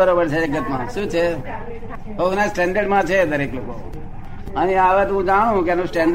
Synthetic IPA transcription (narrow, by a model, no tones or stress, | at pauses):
əɾobəɾt͡ʃʰeeɡət̪mã̰ʃũːt͡ʃʰe | ɦoɡnasʈɛ̃ɳɖəɾɖmãt͡ʃʰed̪əɾekloko̰ | əniaʋet̪oɦũd͡ʒaɽ̃ũkeenũsʈɛ̃ɳɖ